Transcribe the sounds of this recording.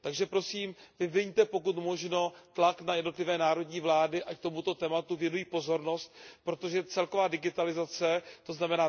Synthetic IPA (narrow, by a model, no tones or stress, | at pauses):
t̪aɡʒɛpɾo̞siːmvɪvɪɲt̪ɛpo̞kut̪mo̞ʒno̞t̪laknajɛdno̞t̪lɪvɛːnaːɾo̞dɲiːvlaːdɪʔac̚t̪o̞mut̪ot̪ɛːmat̪uvjɛnujiːpo̞zo̞ɾno̞st̪̚pɾot̪o̞ʒɛt͡sɛlko̞vaːdɪɡɪt̪alɪzat͡sɛt̪o̞znamɛnaː